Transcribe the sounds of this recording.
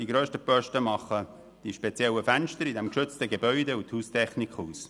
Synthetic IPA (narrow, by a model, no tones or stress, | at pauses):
d̥iɡɾøːʃtəpœʃtəmɑχːə | d̥iʃpet͡sjɛləfænʃtəɾidɛmkʃʏt͡stəɡebœʏdeuthuːstʰɛχnikχuːs